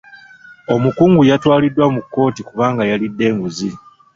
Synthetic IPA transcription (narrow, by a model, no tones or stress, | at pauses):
o̞mukuːŋɡujatwaːlidːwamukːo̞ːtikuβaːŋɡajalidːe̞ːŋɡuzi